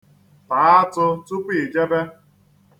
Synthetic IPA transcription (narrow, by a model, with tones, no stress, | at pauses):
ta˨a˦tʊ˦tu˦kʷi˦˨d͡ʒe˦be˦